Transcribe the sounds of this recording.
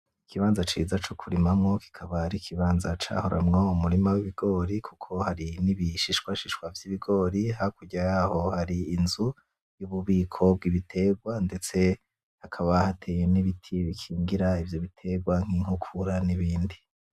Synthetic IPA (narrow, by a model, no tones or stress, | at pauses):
ikʰiβaːnzat͡ʃiːzat͡ʃokʰuɾimamŋo̞ki̥kʰaβaɾikʰiβaːnzat͡ʃa̰ːho̞ɾʔa̰mŋoumuɾimawiβiɡo̞ːɾikʰukʰo̞haɾiniβiʃiʃwaʃiʃkwavjiβiɡo̞ːɾihakuɟajaho̞haɾiːnzu | juβuβiːkʰo̞b̚ɡiβitʰe̞ɡwande̞t͡se̞ | hakʰaβahatʰeːje̞niβitʰiβikʰiːŋɡiɾaivjoβitʰe̞ɡwaŋ̥hiŋhukʰuɾaniβiːndi